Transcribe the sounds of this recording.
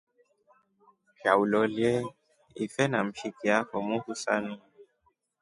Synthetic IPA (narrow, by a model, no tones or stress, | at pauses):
fjaulɔliɛ | ifɛnam̩ʃikiafɔmũhusanĩ